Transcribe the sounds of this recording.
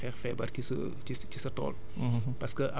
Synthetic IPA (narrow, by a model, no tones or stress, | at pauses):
ɛːrfɛbɐrkis | icisɐtɔ̰ːl | pɐskəʔɐ